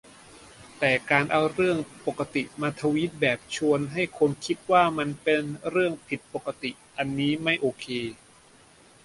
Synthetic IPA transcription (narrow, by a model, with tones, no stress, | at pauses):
t̪ɛː˨˩kaː˧nʔa˧wɾɯ˥˩əŋpo˨˩kːa˧t̪i˨˩ʔmaː˧t̪ʰa˧wiː˦˥t̪̚bɛː˨˩p̚t͡ɕʰu˧ənɦa˥˩jkʰo˧nkʰi˦˥t̪̚waː˥˩ma˧npe˧nɾɯ˥˩əŋpʰi˨˩t̪̚po˨˩kːa˧t̪i˨˩ | ʔa˧nːiː˦˥ma˥˩jʔoː˧kʰeː˧